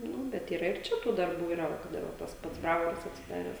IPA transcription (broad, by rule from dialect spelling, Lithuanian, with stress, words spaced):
ˈnʊ ˈbʲɛt iːˈrɐ ɪr ˈt͡ʃʲɛ tuː dɐrˈbuː iːˈrɐ ˈʋɐ kɐt ˈɪr ʋɐ ˈtɐs ˈpɐts ˈbrɑːʋoːrɐs ɐtʲsʲɪˈdɑːrʲɛs